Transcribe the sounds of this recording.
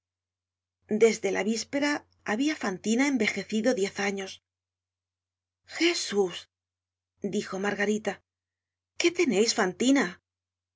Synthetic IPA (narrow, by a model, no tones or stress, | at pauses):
d̪e̞zðe̞laβispe̞ɾaː | βiafant̪inae̞mbe̞xe̞θiðo̞ðje̞θaɲo̞s | xe̞sus | d̪ixo̞maɾɣaɾit̪a | ke̞t̪e̞ne̞jsfant̪ina